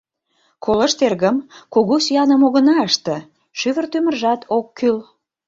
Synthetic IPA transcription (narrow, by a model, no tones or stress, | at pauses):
kʰolə̆ʃt̪erɣə̆mkuɣusyɑnəmoɣənɑəʃt̪ə̆ | ʃyβə̆rt̪ymə̆rʒɑt̪ʰokːyl